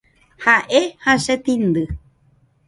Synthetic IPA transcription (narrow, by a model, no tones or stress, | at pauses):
haʔehaʃet̪ĩnd̪ɨ